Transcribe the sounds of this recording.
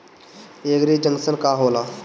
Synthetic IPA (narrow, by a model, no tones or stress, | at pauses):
eːɡɾiːd͡ʒə̃ŋɡsənkaːɦoːlaː